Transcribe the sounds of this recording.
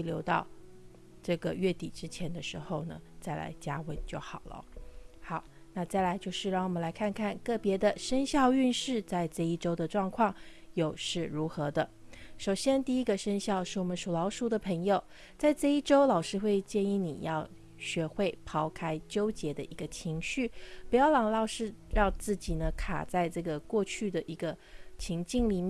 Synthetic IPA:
ljo˧˥ʊt̪ɑ˥˧ʊ | ʈ͡ʂɤ˥˩ɡə˩ɥɛ˥˩t̪i˨˩ʈ͡ʂɻ̩˥t͡ɕʰjɛ˧˥nd̪ə˧ʂɻ̩˧˥xo˥˧ʊnə̰˩t͡sa˥˩ɪla̰˧˥ɪt͡ɕja˥wə˧˥nt͡ɕjo˥˩ʊxɑ˨˩ʊlə̰˦xɑ˨˩ʊna˥˧t͡sa˥˩ɪla˧˥ɪt͡ɕjo˥˧ʊʂɻ̩˥˧ɻɑ˥˩ŋwɔ˨˩mə˦nla˧˥ɪkʰa˥˧nkʰa˥˧nkɤ˥˩pjɛ˧˥d̪ə˧ʂə˥nɕjɑ˥˧ʊy˥˧nʂɻ̩˥˧t͡sa˥˧ɪʈ͡ʂɤ˥˧i˥˩ʈ͡ʂo˥ʊd̪ə˨ʈ͡ʂwɑ˥˧ŋkʰwɑ˥˩ŋ | jo˨˩ʊʂɻ̩˥˩ɻu˧˥xɤ˧˥d̪ə˧ʂo˨˩ʊɕjɛ˥nt̪i˥˩i˥ɡə˨ʂə˥nɕjɑ˥˧ʊʂɻ̩˥˩wɔ˨˩mə˦nʂu˨˩lɑ˧˥ʊʂu˧˥d̪ə˧pʰɤ˧˥ŋjo˨˧ʊ | t͡sa˥˧ɪt͡sɤ˥˧i˥˩ʈ͡ʂo˥ʊlɑ˨˩ʊʂɻ̩˥˧xwe˥˧ɪt͡ɕjɛ˥˧ni˥˩nḭ˨˩jɑ˥˩ʊ | ɕɥɛ˧˥xwe˥˩ɪpʰɑ˧˥ʊkʰa˥ɪt͡ɕjo˥ʊt͡ɕjɛ˧˥d̪ə̰˧ʔi˧˥ɡə˧t͡ɕʰi˧˥ŋɕy˥˩pu˧˥jɑ˥˩ʊlɑ˨˥˩ŋlɑ˥˩ʊʂɻ̩˥ɻɑ˥˧ŋt͡sɹ̩˥˩t͡ɕi˨˩nə˦kʰa̰˨˩t͡sa˥˧ɪʈ͡ʂɤ˥˩ɡə˩kwɔ˥˧t͡ɕʰy˥˩d̪ə˩ʔi˧˥ɡə˧ | t͡ɕʰi˧˥ŋt͡ɕi˥˧ŋli˨˩mjɛ˥˩

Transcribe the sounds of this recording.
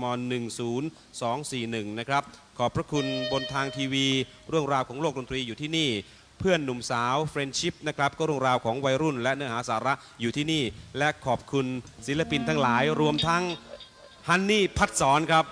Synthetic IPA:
mɔː˧nːɯ˨˩ŋsuː˩˦n | sɔː˩˦ŋsiː˨˩nɯ˨˩ŋna˦˥kʰɾa˦˥p̚kʰɔː˨˩pʰːɾa˦˥kʰu˧nbo˧nt̪ʰaː˧ŋt̪ʰiː˧wiː˧ | ɾɯ˥˩əŋɾaː˧wkʰɔː˩˦ŋloː˥˩k̚do˧nt̪ɾiː˧juː˨t̪ʰiː˥˩niː˥˩ | pʰɯ˥˩ənːu˨˩˦msaː˩˦wfɾe˧nt͡ɕʰi˦˥p̚na˦˥kʰɾa˦˥p̚kʰɔː˥˩ɾɯ˥˩əŋɾaː˧wkʰɔː˩˦ŋwa˧jɾu˥˩nlɛ˦˥ʔnɯ˦˥əhɦaː˩˦saː˩˦ɾa˦˥ʔ | juː˨˩t̪ʰiː˥˩niː˥˩lɛ˦˥ʔkʰɔː˨˩p̚kʰu˧nsi˩˦la˧pi˧nt̪ʰaː˦˥ŋlaː˩˦jɾu˧əmt̪ʰa˦˥ŋ | ha˧˥˩nːiː˥˩pʰa˦˥t̪̚sɔː˩˦nkʰɾa˦˥p̚

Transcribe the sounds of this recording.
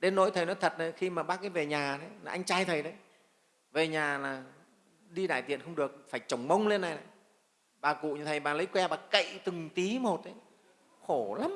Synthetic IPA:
ɗe˨˦nːo̰˧˥˦jt̪ʰə˨˩jnɔ˨˦t̪ʰə˨˩t̚nə˨˦xi˧maː˨˩ɓaː˦˥k̚kaː˨˦jve˨˩ɲaː˨˩t̪ʰe˨˦na˨˦ʔa˧jŋ̟t͡ɕaː˧jt̪ʰə˨˩jɗə˨˦j | ve˨˩ɲaː˨˩laː˨˩ | ɗi˧ɗa̰ː˧˨j̪t̪ḭ˧˨ənxə˧wŋ͡mɗɨ˨˩ək̚faː˧˩jt͡ɕə˨˧˩wŋ͡mmə˧wŋ͡mle˧nːa˨˩jna̰˨˩ | ɓaː˨˩kṵ˧˨ɲɨ̰˨˩t̪ʰə˨˩jɓaː˨˩lə˨˦jkwɛ˧ɓaː˨˩kə̰˧˨jt̪ɨ˨˩ŋt̪i˨˦mo˨˩t̚ʔə˨˦j | xo˧˩la˨˦m

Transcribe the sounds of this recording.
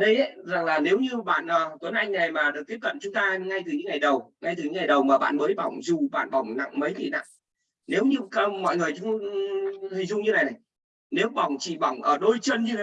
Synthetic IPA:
ɗə˧jʔə˨˦za˨˩ŋlaː˨˩ne˨˦wɲɨ˧ɓa̰ː˧˨nʔəː˨˩t̪wə˨˦nʔa˧jŋ̟na˨˩jmaː˨˩ɨ˨˩ək̪̚ːi˦˥əp̚kə̰˧˨nt͡ɕʊ˨˦ŋ͡mt̪aː˧ŋa˧jt̪ɨ˨˩ɲɨ̰˧˦ŋa˨˩jɗə˨˩wŋa˧jt̪ɨ˨˩ɲɨ˨˦ŋa˨˩jɗə˨˩wmaː˨˩ɓa̰ː˧˨nməː˨˦jɓa̰˨˧˩wŋ͡mzu˨˩ɓa̰ː˧˨nɓa˨˧˩wŋ͡mna̰˧˨ŋmə˨˦jt̪ḭ˧˨na̰˧˨ŋ | ne˨˦wɲɨ˧mɔ̰˧˨jŋɨ˨˩əjt͡ɕʊ˨˦ŋ͡mt̪i˧˩zʊ˧ŋ͡mɲɨ˧na˨˩jna˨˩j | ne˨˦wɓa˨˩wŋ͡mt͡ɕḭ˧˨ɓa˨˩wŋ͡mʔəː˧˩ɗo˧jt͡ɕə˧nɲɨ˧a˨

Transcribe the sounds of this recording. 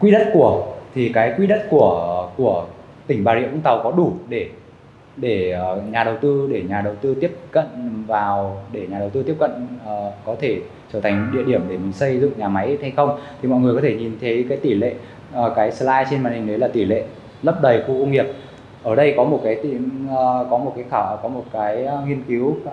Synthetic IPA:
kwi˧˥ɗə˦˥t̚ku˧˩ət̪ʰi˨˩kaː˨˦jkwi˧˥ɗə˦˥t̚ku˧˩əku˧˩ə | t̪ï˧˩ŋ̟ɓaː˧˩zḭ˧˥ʔʊ˧˥ŋ͡mt̪a˨˩wkɔ˨˦ɗu˧˩ɗe˧˩ | ɗe˧˩˨ɲaː˨˩ɗə˨˩wt̪ɨ˧ɗe˧˩ɲaː˨˩ɗə˨˩wt̪ɨ˧t̪i˦˥əp̚kə̰˧˨nvaː˨˩wɗe˧˩ɲaː˨˩ɗə˨˩wt̪ɨ˧t̪i˦˥əp̚kə̰˧˨nː˨˩kɔ˨˦t̪ʰe˧˩ | t͡ɕəː˧˩t̪ʰa˨˩ŋ̟˥ɗḭ˧˨əɗi˧˩əmɗe˧˩ma˨˩sə˧jzɨ̰˧˨ŋ͡mɲaː˨˩ma˨˦jha˧jxə˧wŋ͡mt̪ʰi˨˩mɔ̰˧˨jŋɨ˨˩kɔ˨˦t̪ʰe˧˩ɲi˨˩nt̪ʰə˨˦kaː˨˦jt̪i˧˩lḛ˧˨˩ | kaː˨˦jslaː˧jt͡ɕe˧nmaː˨˩nhi˨˩ŋ̟ɗə˨˦jlaː˨˩t̪i˧˩lḛ˧˨ | lə˦˥p̚ɗə˨˩jxu˧˨ʔə˧wŋ͡mhi˨˩əp̚ | ʔəː˧˩ɗə˧jkɔ˨˦mo˨˩t̚kaː˨˦jt̪ḭ˧˨kɔ˨˦mo˨˩t̚kaː˨˦xaː˧˩˨kɔ˨˦mo˨˩t̚kaː˨˦jŋi˧ənki˨˦w

